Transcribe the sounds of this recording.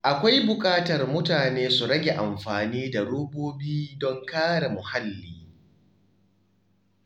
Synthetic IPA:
ʔa˨kʷa˦jbʊ˨kʼaː˦tɐ˨rmʊ˦taː˨neː˦su˨ɽɐ˦ɡʲe˨ʔa˨mɸaː˨niː˦da˨ɽoː˦boː˦biː˦dɔ˦ŋkaː˦ɽa˨mʊ˨ha˦lːiː˨

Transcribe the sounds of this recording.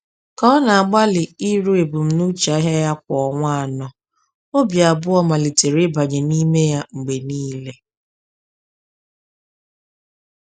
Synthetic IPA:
kɔ˦na˨a˨ɡ͡ba˦lɪ˨i˦ɾu˦e˨bu˨m̩˨˦nu˦t͡ʃa˨˦ɦa˦ja˦k̚ʷɔ˨ɔ˨ŋʷa˦a˨nɔ˨ | o˦bja˨bʊ˦ɔ˦ma˨li˨te˨ɾɪ˦ba˨ɲe˨ni˦me˦ja˦ŋ͡m̩˨ɡ͡be˨niː˦le˦

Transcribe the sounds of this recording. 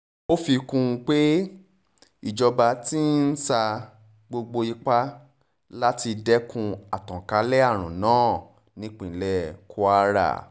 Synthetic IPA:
o˦fi˧kũ˧k͡pe˦ | i˦˨d͡ʒɔ˧ba˧ti˦n̩˦sa˧ | ɡ͡bo˧ɡ͡bo˧i˧k͡pa˦ | la˦ti˧dɛ˦kũ˧a˨tɔ̃˨ka˨˦lɛ˦a˦˨ɾ̃ṵ̃˨nãː˨˦˨ | nĩ˨˦k͡pĩ˨˦lɛ˦kʰu˧a˧˦ɾa̰˨

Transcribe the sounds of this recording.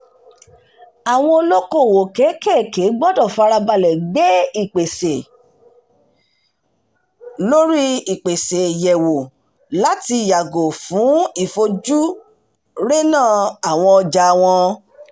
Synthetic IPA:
a˨w̃ɔ̃˧o˧lo˦kõ˦˨wo˨kɛ˨˦kɛ˦˨ke˨˦ɡ͡bɔ˦dɔ˦˨fa˧ɾa˧ba˧lɛ˨ɡ͡be˨˦i˨k͡pe˨se˨ | lo˦ɾi˦i˨k͡pe˨se˨jɛ˨wo˨ | la˨˦ti˧˨ja˨ɡo˨fũ˨˦i˦˨fo˧d͡ʒu˦ | ɾe˦nãː˦˨a˨w̃ɔ̃˧ɔ˧d͡ʒa˧˨w̃ɔ̃˧

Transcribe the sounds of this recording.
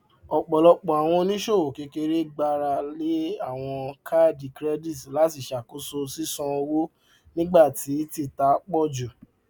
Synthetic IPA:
ɔ˨k͡pɔ˨lɔ˧k͡pɔ̃˨a˨w̃ɔ̃˧nĩ˦ʃo˦˨o˨ke˨˧˦ke˧ɾe˦ɡ͡ba˧ɾa˧le˨˦a˦˨w̃ɔ̃˧kʰa˦di˨kɾɛ˦di˦˨tla˨˦ti˦˨ʃa˨ko˨˦so˧si˦sɔ̃˧o˧wo˦ | nĩ˦ɡ͡ba˦˨ti˨˦ti˦˨ta˨˦k͡pɔ˦˨d͡ʒo˨

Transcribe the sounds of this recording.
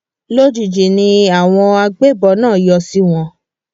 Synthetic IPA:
lo˦d͡ʒu˨d͡ʒe˨nĩ˧a˨w̃ɔ̃˧a˧ɡ͡be˦bɔ˧˦nãː˦˨jɔ˧si˦w̃ɔ̃˧

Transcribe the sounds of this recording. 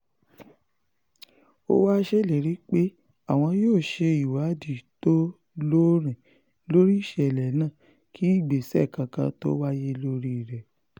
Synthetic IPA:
o̰˦wa˦ʃe˦˨le˨ɾi˦k͡pe˦ | a˨w̃ɔ̃˧joː˦˨ʃe˧i˨wa˨˦di˨to˦ | lo˦ɾ̃ɛ̃˨ | lo˦ɾi˦i˦˨ʃɛ˧˨lɛ˨˦nãː˦˨ | kʰi˨˦i˦˨ɡ͡be˨sɛ˦˨kã˨kã˧to̰˦wa˦je˦lo˦ɾi˦˨ɾɛ˨

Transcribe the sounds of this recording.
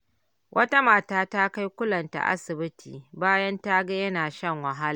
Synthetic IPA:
wʔɐ˦ta˦maː˨taː˦ta˦ka˦jkʷʊ˦lɐ˨nta̰˨ʔa̰˦sɪ˨bɪ˦tʰiː˨baː˦jɐ˦nta˦ɡa˦jɐ˦naː˨ʃɐ˦˨ŋwɐ˨ɦa˦la˨

